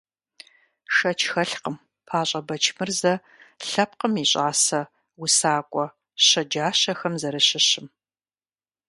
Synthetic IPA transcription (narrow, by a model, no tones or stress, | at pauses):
ʂɐt͡ʃʰxɐɬqəm | pʰaːɕʼɐbɐt͡ʃʰmɨrzɐ | ɬɐp̚qəmiːɕʼaːsɐ | wʊsaːkʷʼɔ | ɕɐd͡ʒaːɕɐxɐmzɐɾɨɕɪɕɪm